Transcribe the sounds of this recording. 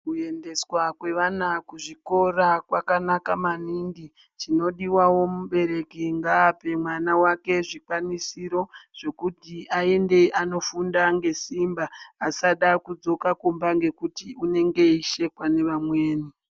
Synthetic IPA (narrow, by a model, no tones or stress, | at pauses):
kue̞nde̞swakwe̞ʋanakuʐiko̞rakwakanakamanindi | t͡ʃino̞ɗiwawo̞muɓe̞ɾe̞kiŋɡaːpe̞mwanawake̞ʐikwanisiɾo̞ʐ̥e̞kutiae̞nde̞ʔano̞fundaŋɡe̞simbaːsaɗakud͡zo̞kakumbaŋɡe̞kutiune̞ŋɡe̞iʃe̞kwane̞ʋamwe̞ːni